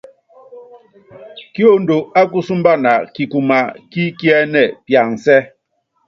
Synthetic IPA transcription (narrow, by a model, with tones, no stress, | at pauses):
ki˦o˦n̩˦do˨a˦ku˦su˦m̩˦ba˦na˨ki˨ku˨ma˨ki˦ki˦ɛ˦nɛ˨pja˨n̩˨sɛ˦